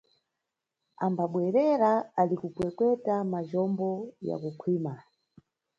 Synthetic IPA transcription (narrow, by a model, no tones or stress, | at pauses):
ambaɓwɛɾɛɾaalikukwɛkwɛtamaʒɔmbɔja̰kukʰwima